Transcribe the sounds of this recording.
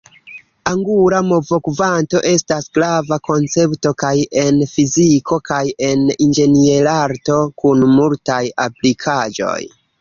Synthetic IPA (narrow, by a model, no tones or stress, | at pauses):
aŋɡuɾamo̞vo̞kvanto̞ʔe̞stasɡ̥ɾavako̞nt͡se̞pto̞kaje̞nfizikʰo̞kaje̞nind͡ʒe̞nielaɾto̞kunmultaja̰plikʰad͡ʒo̞̰j